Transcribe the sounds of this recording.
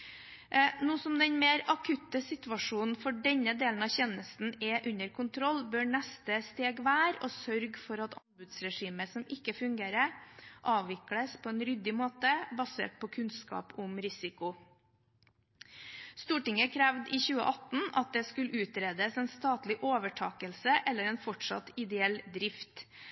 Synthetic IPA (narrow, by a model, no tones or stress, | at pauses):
nuːsɔmd̪ɛnmeːɾɑkʰʉt̪əsɪt̪ʉʋɑʂuːnn̩fɔɖɛɲəd̪eːln̩ɑçɛnəst̪n̩ɛʔʉɲəɾkʰʊnt̪ʰɾɔlːbøːɳɛst̪əst̪eːɡʋæːɾoːsœɾɡfɔɾɑt̪ʰɑmbʉd̪sɾɛʂiːməsɔmɪkːəfʉŋɡeːɾəʔɑːʋʋɪkləspʰɔɛːnɾʏd̪ɪmoːt̪əbɑsḛːʈ̚pʰɔkʰʉnskɑ̰ːpʊmɾɪsɪkʊ | st̪uːʈɪŋəkʰɾæʋd̪ɪːçʉːə̰ʔɑt̪n̩ɑ̰t̪̚d̪ɛskʉlʉːt̪ɾeːd̪əsɛːnst̪ɑːt̪lɪʔoːʋəʈʰɑːkəlsəʔɛlːəɾɛːnfɔʈʂɑ̰t̪ɪd̪ɛɛld̪ɾɪft̪